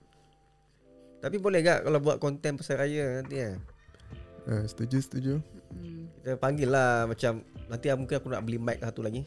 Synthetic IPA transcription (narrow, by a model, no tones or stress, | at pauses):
t̪apibolɛhɡaʔkalawbuat̪̚kɔnt̪ɛnpəsaɾajənant̪ia | əst̪əd͡ʒəst̪əd͡ʒə | kit̪əpaŋɡɪlːahmat͡ʃamnant̪iamũŋkɪnakuna̰ʔbəlimak̚sat̪ulaɡi